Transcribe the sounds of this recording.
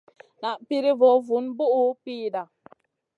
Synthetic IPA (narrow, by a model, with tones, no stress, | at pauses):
na˨ʔpi˦ɾi˦vɔ˨˦vu˨˦nbu˦ʔu˦piː˦da˨